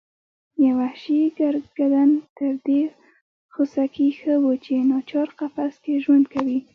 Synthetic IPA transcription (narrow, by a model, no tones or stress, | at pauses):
jawahʃiɡaɾɡɡad̪ant̪əɾd̪e | xosakixəwut͡ʃenɑt͡ʃɑɾqafaskeʒwand̪kawi